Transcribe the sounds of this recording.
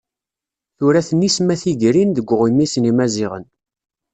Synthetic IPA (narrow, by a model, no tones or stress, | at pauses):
θʊɾæθənːismæθiʝɾinðəɡʷːʁimːisnimæziʁə̰n